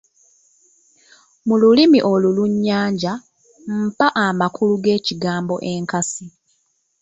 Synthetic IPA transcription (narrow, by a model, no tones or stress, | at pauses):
mululimiʔo̞luluɲːaːɲɟa | m̩paʔamakʰuluɡe̞ːciɡaːmbo̞ʔeŋkasi